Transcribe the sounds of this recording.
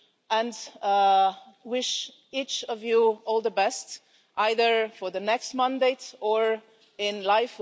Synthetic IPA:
ə̃n | wɪʃ | it͡ʃʌvjuɔlˠðəbɛst | ʔaɪðə˞fə˞ðɨnɛkst̚mæ̃ndeɪɾə˞ | ɪ̃nlaɪf

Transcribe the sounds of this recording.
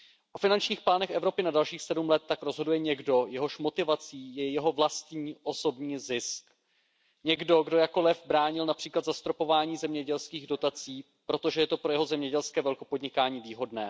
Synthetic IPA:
ʔofɪnant͡ʃɲiːxplaːnɛxɛvɾo̞pɪnadalʃiːxsɛdumlɛt̪ːakɾo̞zɦo̞dujɛɲɛɡdo̞jɛɦo̞ʃmo̞t̪ɪvat͡siːjɛjɛɦo̞vlast̪ɲiːʔo̞so̞bɲiːzɪsk | ɲɛɡdo̞ɡdo̞jako̞lɛvbɾaːɲɪlnapr̝̥iːklat̪zast̪ɾo̞po̞vaːɲiːzɛmɲɛɟɛlskiːɣdo̞t̪at͡siː | pɾo̞t̪o̞ʒɛjɛt̪o̞pɾo̞jɛɦo̞zɛmɲɛɟɛlskɛːvɛlkopo̞dɲɪkaːɲiːviːɦo̞dnɛː

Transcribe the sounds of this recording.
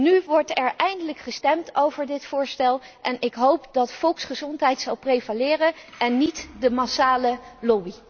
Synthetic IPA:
nyʋɔɹtɛɹʔɛjndələkχəstɛmtʰowvəɹdɪtfʊːɹstɛlˠʔɛnɪkɦowpdɑtfɔlˠksχəzɔntɦɛjtsɑlˠprejvalɪːrəʔɛnːitdəmasaːləlɔbi

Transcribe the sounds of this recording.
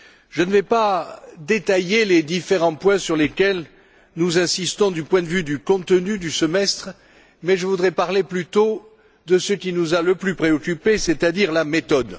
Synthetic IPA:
ʒ̥ənəvɛpad̪et̪ajeled̪ifeʁɑ̃pwɛ̃syʁlekʲɛl | nuzɛ̃sist̪ɔ̃d̪ypwɛ̃d̪əvyd̪ykɔ̃t̪ənyd̪ysəmɛst̪χ | mɛʒəvud̪ʁɛpaʁleplyt̪o | d̪əsəkʲinuzaləplypχeɔkʲypeset̪ad̪iʁlamet̪ɔd̪

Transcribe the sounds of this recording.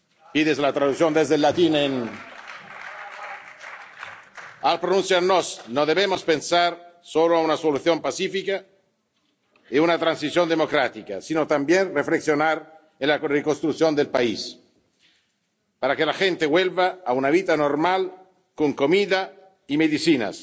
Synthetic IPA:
piðezlat̪ɾaðukθjond̪ezd̪elːat̪inen | alpɾonũnsjaɾnosnoðeβemospensaɾsoloaunasoluθjompasifika | eunat̪ɾansiθjond̪emokɾat̪ikasinot̪ambjenrefleksjonaɾ | enlarekonst̪ɾukθjond̪elpais | paɾakelaxent̪ewelvaːunaβit̪anormal | koŋkomiða | imeðisina̰s

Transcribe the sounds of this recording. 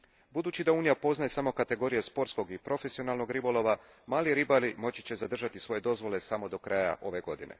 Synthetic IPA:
bud̪uːt͡ɕid̪auːnijapo̞znaje̞samo̞kat̪e̞ɡo̞ɾije̞spo̞ɾt̪sko̞ɡipɾo̞fe̞sio̞naːlˠno̞ɡɾibolˠo̞ʋa | maːliɾibalimo̞t͡ɕit͡ɕe̞zad̪r̩ʒat̪isʋo̞je̞d̪o̞zʋo̞le̞samo̞d̪o̞kɾʔaːja̰ʔo̞ʋe̞ɡo̞d̪inḛ

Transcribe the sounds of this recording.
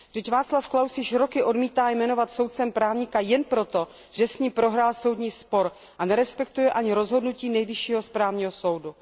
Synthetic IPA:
rɛcvaːt͡slafklawsjɪʃɾo̞kɪʔo̞dmiːt̪aːjmɛno̞vat̪so̞wt̪̚t͡sɛmpɾaːvɲikajɛnpɾo̞t̪o̞ | ʒ̥ɛsɲiːmpɾo̞ɦɾaːlso̞wdɲiːspo̞ɾ | ʔanɛɾɛspɛkt̪ujɛʔaɲɪɾo̞zɦo̞dnuciːnɛjvɪʃiːɦo̞spɾaːvɲiːɦoso̞wdu

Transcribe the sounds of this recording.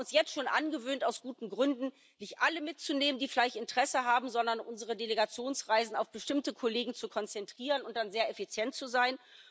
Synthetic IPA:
ʊnsjɛt͡stʃoːnʔa̰nɡəvøːntaʊsɡ̥uːtn̩ɡʁʏndn̩ | nɪçtʔaləmɪtt͡suneːməndiːfɪlaɪçtɪntəʁ̥ɛsəɦaːbm̩zɔndɐnʔʊnzəʁ̞ədeleɡat͡sjoːnsʁaɪzn̩aʊfb̥əʃtɪmtəkʰoleːɡŋ̩t͡sukʰɔnt͡sɛntʁ̥iːʁənʊnt̚d̥anzeːɐefit͡sjɛntt͡suzaɪn

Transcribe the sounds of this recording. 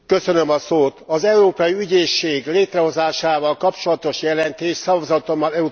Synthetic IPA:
kø̞sø̞nømɒsoːt̪ɒzɛuɾoːpɒjiyɟeːʃːeːɡleːt̪rɛɦo̞zaːʃaːvɒlkɒpt͡ʃo̞lɒt̪o̞ʃjɛlɛnt̪eːʃsɒvɒzɒt̪o̞mːɒlɛu

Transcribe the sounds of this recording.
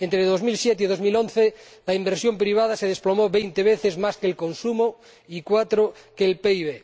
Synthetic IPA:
ent̪ɾeðo̞zmilsjet̪̬eiðo̞zmilõ̞nθe | laimbeɾsjompɾiβ̞að̞aseð̞esplomoβe̞jnt̪eβ̞eθezmaskelko̞nsumo | ikwat̪ɾokeːlpeiβe

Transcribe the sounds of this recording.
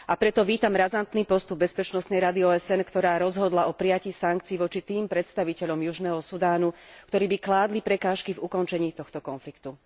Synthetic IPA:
apɾɛt̪ɔʋiːt̪amɾazant̪niːpɔst̪ub̚ːɛspɛt͡ʃnɔst̪nɛjɾad̪iɔːɛsɛnkt̪ɔɾaːɾɔzɦɔd̪laʔɔpɾijaciːsaŋk̚t͡siːʋɔt͡ʃit̪iːmpɾɛt̪st̪aʋicɛʎɔmjuʒnɛːɦɔsud̪aːnukt̪ɔɾiːbiklaːd̪lipɾɛkaːʃkivukɔnt͡ʃɛɲiːt̪ɔxt̪ɔkɔnflikt̪u

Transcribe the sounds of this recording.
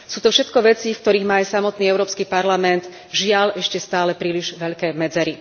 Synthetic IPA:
suːt̪ɔfʃɛt̪kɔʋɛt͡sifkt̪ɔɾiːɣmaːjsamɔt̪niːɛʊɾɔːpskipaɾlamɛnd̪ | ʒɪaʎɛʃcɛst̪aːlɛpɾiːliʒʋɛʎkɛːmɛd͡zɛɾi

